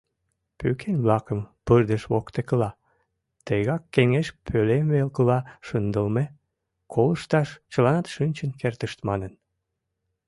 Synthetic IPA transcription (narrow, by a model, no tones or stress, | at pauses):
pykʰenʲβlɑkəmpərd̪əʃβokt̪ekəlɑ | t̪eɣɑkːeŋeʃpʰølemβelkəlɑʃənd̪əlme | kʰoləʃt̪ɑʃt͡ɕəlɑnɑt̪ʃynʲt͡ɕənkert̪əʃt̪mɑnən